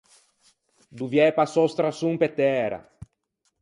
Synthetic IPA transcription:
d̪uvjɛpasost̪ɾasuŋpet̪ɛɾɐ̰

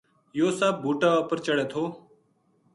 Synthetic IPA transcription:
joːsaːb̚bʱuːʈaːəpəɾt͡ʃəɽeːt̪ʰoː

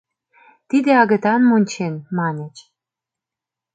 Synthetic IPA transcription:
t̪id̪eɑɣə̆t̪ɑnmonʲt͡ɕenmɑnet͡ɕ

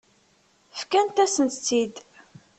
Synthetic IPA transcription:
fkænt̪æsənt̪t͡sːid̪

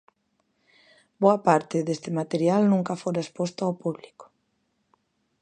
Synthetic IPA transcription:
boɐapaɾt̪ɪðest̪ɪmat̪eɾjalnũŋkafoɾaespost̪oawpuβliko̥

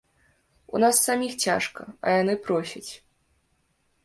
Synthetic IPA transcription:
ṵn̪asːamʲixt͡sʲa̰ʂkɐ̰ɐ̰janɨpɾɔsʲɐt͡sʲ

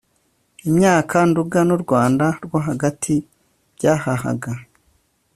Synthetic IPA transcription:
imɲaːkʰanduɡanuɾɡwaːndaɾɡwaɦaɡatʰi | bɟaːhaha̰ɡa

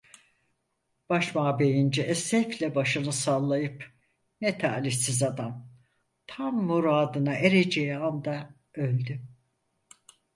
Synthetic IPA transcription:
b̥aʃmaːbe̞jind͡ʒiʔɛsɛflʲɛbaʃɯnɯsalˠːajɯp | nɛt̪ʰa̰ːliçsizad̪am | t̪ʰamːuɾaːd̪ɯnaʔeɾed͡ʒejiand̪a | ølʲd̪y

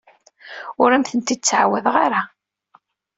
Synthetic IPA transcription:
ʊɾæmθənt̪id̪t͡sːʕa̰wæðʁaɾa

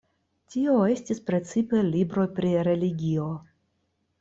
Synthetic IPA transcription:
tio̞e̞stispɾe̞t͡sipe̞libɾo̞jpɾiɾe̞liɡʲio̞

